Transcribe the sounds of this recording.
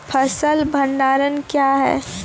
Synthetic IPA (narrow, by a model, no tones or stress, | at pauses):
pʰɐsəlbʱɐ̃ɳɖaːɾənkjaːɦɛ̰ː